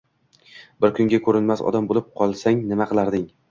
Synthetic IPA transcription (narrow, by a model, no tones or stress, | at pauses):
bɪɾkʰʊŋɡʲakʰɵɾɪnmasɒ̰d̪ambolɪp̚qʰɒlˠsaŋnɪmaqɨlˠaɾd̪ɪŋ